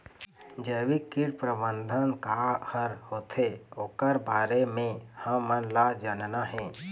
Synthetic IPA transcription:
d͡ʒəwikiɽpɾəbənd̪ʱənkahəɾhoːt̪ʰeoːkəɾbaːɾemẽhə̃mənlad͡ʒənnaɦɛ̃ː

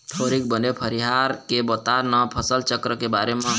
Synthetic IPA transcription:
t̪ʰoɾik̚bənepʰəɾiɦaɾkebot̪aɾnəpʰəsəlt͡ʃəkɾəkebaɾemẽ

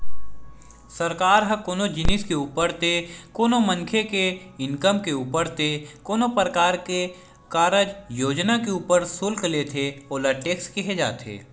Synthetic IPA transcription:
səɾkaːɾɦə̃koːnod͡ʒɪnɪskeuːpəɾt̪ekoːnomə̃ŋkʰeke | ɪnkəmkeuːpəɾt̪ekoːnopəɾəkaːɾke | kaːɾəd͡ʒjoːd͡ʒnakeuːpəɾsʊlkleːt̪ʰeoːlaʈeːkskiɦed͡ʒa̰ːt̪ḛː

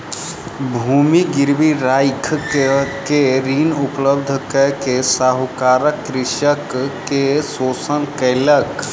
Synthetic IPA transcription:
bʱuːmiɡɪɾbiɾaːjkʰ | keɾiːnʊpləbd̪ʱkəkesaːɦʊkaːɾəkːɾɪʃəkː | esoːsənkəːlək

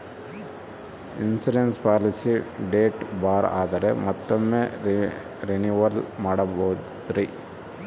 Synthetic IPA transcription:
insiɖenspaːlisiɖeːʈbaːɾa̰ːd̪ɐɾemɔt̪ːɐmːeː | ɾenuʋɐɾlmaːɽɐbɐ | d̪ɾi

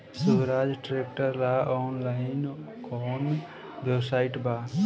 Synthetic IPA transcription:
subɾaːd͡ʒʈɾekʈəɾlaɔːnlaɪn | kɔn | bebsaːɪʈba

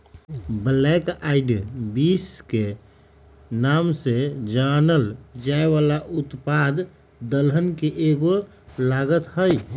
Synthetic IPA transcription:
blɛkaɪɖbiske | namsed͡ʒanəld͡ʒaeʋalaʔʊt̪pad̪ | d̪əlɦənkeʔeɡo | laɡət̪ɦəj

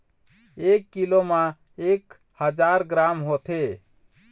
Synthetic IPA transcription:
ekːilomã | ek | həd͡ʒaɾɡɾamɦot̪ʰe

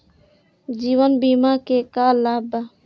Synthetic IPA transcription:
d͡ʒiːʋənbiːmakekaːlːaːba

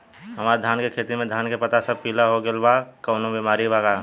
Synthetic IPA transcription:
ɦəmaɾd̪ʱjaːnkekʰet̪imẽd̪ʱankepət̪asəb̚pilaɦoɡelbakəʊnobimaɾibaɡa

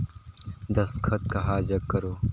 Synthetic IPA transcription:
d̪ɐskʰɐt̪̚kaɦaːd͡ʒɐkkːɐɾoː

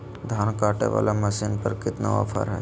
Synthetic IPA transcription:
d̪ʱaːnkaːʈḛʋa̰ːlamɐsɪnpəɾkɪt̪na̰ʋa̰fʰa̰ɾɦɛː

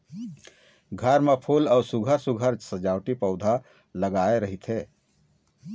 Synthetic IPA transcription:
ɡʱəɾmepʰuːlɔːɾsʊɡʱəɾsʊɡʱəɾd͡ʒsəd͡ʒaːwʈipəʊd̪ʱa | ləɡaːeɾɐɦit̪ʰɦeː

